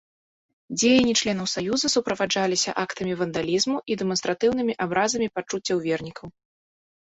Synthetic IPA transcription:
d͡zʲejɐnʲːit͡ʂlʲɛnɐwsajuzɐsupɾɐvad͡ʐalʲisʲɐ̰ʔakt̪ɐmʲivɐnd̪alʲizmuʔid̪ɛmɔnst̪ɾat̪ɨwnɨmʲiʔabɾazɐmʲipat͡ʂut͡sʲːɐwvʲɛrnʲikɐw

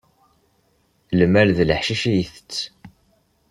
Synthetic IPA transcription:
lmælðələħʃiʃæjəθət͡sː

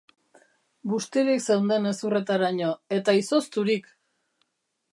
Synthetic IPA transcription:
bust̪eɾikse̞wnd̪e̞ne̞sure̞t̪aɾaɲoe̞t̪aiso̞st̪uɾik

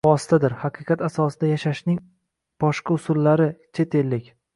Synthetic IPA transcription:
vɒsɪ̥t̪ʰad̪ɪɾhaqʰɨqʰɑt̪asɒsɪd̪ajaʃaʃnɪŋ | b̥ɒʃqʰɑʊsʊlːaɾɪt͡ʃʰe̞t̪ʰe̞lːɪkʲ

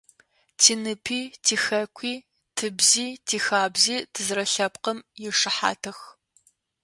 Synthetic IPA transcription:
tʰiːnɨpʰiːtʰiːxɐkʷʰiː | tʰɨbziːtʰiːxaːbziːtʰɨzrɐɬɐpqəmjɪʂɨħa̰ːtʰɐx

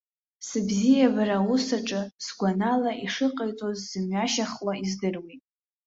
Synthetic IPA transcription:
sɨbzijabaɾawusaʈ͡ʂʼɨsɡʷanalaʔiʂɨqʼajt͡sʼozːɨmɥaʃaχwaizdɨrwitʼ

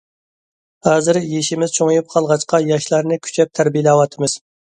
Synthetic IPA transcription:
hɑːzɨɾjeʃimɪzt͡ʃʰoŋjup̚qʰɑlˠʁɑt͡ʃqɑjɑʃlˠɑɾnɨkʲʰy̥t͡ʃʰɛp̚t̪ʰæɾbijlɛwɑt̪ʰɨmɨz̥

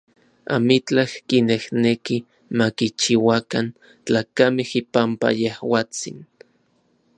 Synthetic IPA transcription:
a̰mit͡ɬahkinehneki | makit͡ʃiwakan | t͡ɬaːkamehipampa̰jehwaːt͡sḭn

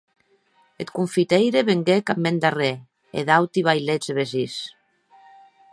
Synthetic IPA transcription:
et̪kuɱfit̪ejɾeβeŋɡekamːend̪are | ḛðawt̪iβajlezeβezis

